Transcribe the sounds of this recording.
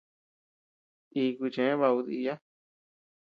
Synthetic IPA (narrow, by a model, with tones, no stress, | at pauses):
i˧kʷi˧t͡ʃẽ˨ẽ˦βa˧u˧ði˧ja˦